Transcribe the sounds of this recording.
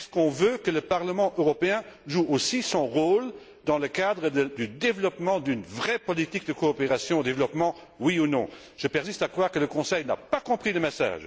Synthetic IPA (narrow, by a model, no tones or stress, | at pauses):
ɛsə̥kɔ̃vøkələpaʁləmɑ̃ʔøʁɔpeɛ̃ʒuosisɔ̃ʁoːl | d̪ɑ̃ləkad̪ʁəd̪əd̪yd̪evlɔpmɑ̃d̪ynvʁɛpɔlit̪ik̚d̪əkoːpeʁasjɔ̃d̪evlɔpmɑ̃ | wiunɔ̰̃ | ʒ̥əpɛʁsist̪akχwaːʁkələkɔ̃sɛjna̰pakɔ̃pχiləmesa̰ːʒ